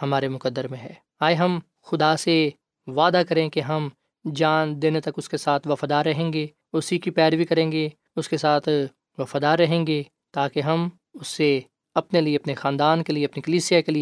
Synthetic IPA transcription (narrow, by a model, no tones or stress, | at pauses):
hɐmaːɾemʊkəd̪ːəɾmẽɦɛː | aːjɦɐm | xʊd̪ase | ʋaːd̪akɐɾẽkeɦɐm | d͡ʒaːnd̪eːnet̪ɐkʊskesaːt̪ʰʋɐfaːd̪aːɾːɐɦẽːŋɡeː | ʊsikipɛːɾʋikɐɾẽːŋɡe | ʊskesaːt̪ʰ | ʋɐfaːd̪aːɾːɐɦẽːŋɡeː | t̪aːkeɦɐm | ʊsːe | ɐpnelieɐpnexãːnd̪aːnkelieɐpnikɐliːsijakelie